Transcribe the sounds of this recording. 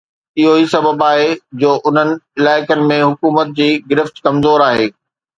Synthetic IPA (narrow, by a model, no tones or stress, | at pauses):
ɪɦoisɐbəbaːɦed͡ʑoːʔʊn̤ənɪ̆ɪlaːɪkənɪ̆mẽɦʊkuːmət̪̚d͡ʑiːɡɪɾɪft̪kɐmzoːɾaːɦeː